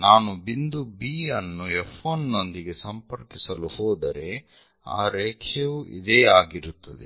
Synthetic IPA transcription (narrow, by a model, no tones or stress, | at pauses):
naːnubind̪ubiːɐnːuefʰɐnːo̞nd̪iɡe̞sɐmpɐɾkisɐluhoːd̪ɐɾe̞ | a̰ːɾeːkʰjeʋuʔḭd̪eːaːɡiɾut̪ːɐd̪e